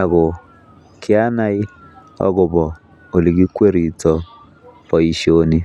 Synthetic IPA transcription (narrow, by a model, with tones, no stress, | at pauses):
a˨ɡʊ˨ | kʰɪ˦a˦na˦i˦ | ɔ̰˦ɡʊ˨bɔ˨ | o˨li˨ɡi˦kwe˦ɾi˨tɔ˦ | pɔ˨i˨ʃo˦ni˦